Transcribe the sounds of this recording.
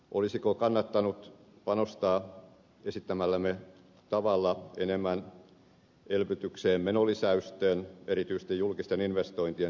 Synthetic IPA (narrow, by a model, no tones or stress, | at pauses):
ʔolisikokɑnːɑt̪ːɑnut̪pɑnost̪ɑː | esit̪ːæmælːæme | t̪ɑʋɑlːɑḛnemːˑæn | elpyt̪ykseːmmenolisæyst̪øːneɾit̪yist̪ejjulkist̪eninʋest̪oint̪ie